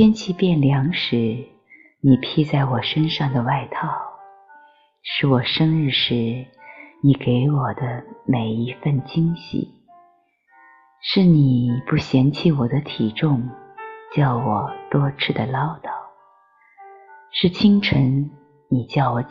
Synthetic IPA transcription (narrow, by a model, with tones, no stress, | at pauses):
jɛ˥nt͡ɕʰi˥pjɛ˥˩nljɑ˧˥ŋʂɻ̩˧˥ | ni˨˩pʰi˥t͡sa˥˩ɪwɔ˨˩ʂə˥nʂɑ˥˩ŋd̪ə˩wa˥˧ɪt̪ʰɑ˥˩ʊ | ʂɻ̩˥˩wɔ˨˩ʂə˥ŋɻɻ̩˥˧ʂɻ̩˧˥ | ni˨˩ke˧˥ɪwɔ˨˩d̪ə˦me˨˩ɪi˧˥fə˥˩nt͡ɕi˥ŋɕḭ˨˩˦ | ʂɻ̩˥˩ni˨˩pu˥˩ɕjɛ˧˥nt͡ɕʰi˥˩wɔ˨˩d̪ə˦t̪ʰi˨˩ʈ͡ʂʊ˥˧ŋt͡ɕjɑ˥˩ʊwɔ˨˩t̪wɔ˥ʈ͡ʂʰɻ̩˥˩d̪ə˩lɑ˥ʊt̪ɑ˥˩ʊ | ʂɻ̩˥˩t͡ɕʰi˥ŋʈ͡ʂʰə˧˥ŋ | ni˨˩t͡ɕjɑ˥˩ʊwɔ˨˩